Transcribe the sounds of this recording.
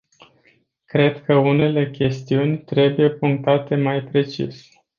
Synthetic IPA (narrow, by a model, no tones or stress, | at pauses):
kɾe̞d̪kəune̞le̞kʲe̞st̪iunʲt̪ɾe̞buje̞puŋk̚t̪at̪e̞majpɾe̞t͡ʃḭs